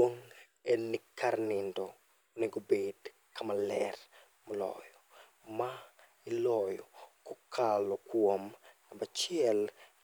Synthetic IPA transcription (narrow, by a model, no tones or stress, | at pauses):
woŋ | enːikʰarnɪndɔ | oneɡobed | kamalɛr | mɐlɔ̰jɔ | ma | ilɔjɔkokʰalɔkwomnabat͡ʃɪɛl